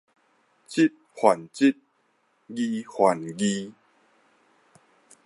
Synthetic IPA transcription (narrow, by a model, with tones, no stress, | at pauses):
t͡ɕi˦t̚hwa˨˩nt͡ɕi˦t̚ | ɡi˧hwa˨˩nɡi˦˧